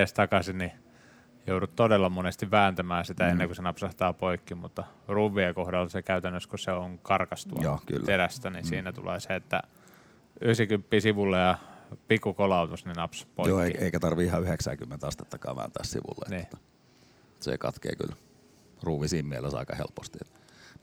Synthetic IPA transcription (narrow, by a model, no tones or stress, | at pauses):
est̪ɑkɑsini | joudut̪t̪odelːɑmonest̪iʋʋæːnt̪æmæːsit̪æenːeŋkusenɑpsɑht̪ɑːpoikːimut̪ːɑruːʋːˑiekohdɑlːsekæyt̪ænːøskuseoŋkɑrkɑst̪uɑoːky̰lːt̪eræst̪ænisiːnæt̪ṵlḛːseet̪ːæ̰ | yhsikympːisiʋulːejɑpikːukolɑut̪usninɑpsɑ̥tpojioːeieikæt̪ɑrʋiihɑyheksæ̰ːkymːent̪ɑst̪et̪ːɑkɑːʋæ̰ːnt̪æːssḭʋṵlːḛeniːæ̥ | sḛkɑ̰t̪kḛːky̰l | ruːʋisiːmmielesɑ̰ikɑ̰hḛlpost̪iet̪